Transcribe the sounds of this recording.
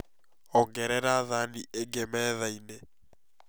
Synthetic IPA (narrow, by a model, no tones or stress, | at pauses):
ɔŋɡɛɾɛɾaðaniʔeŋɡemɛːðaine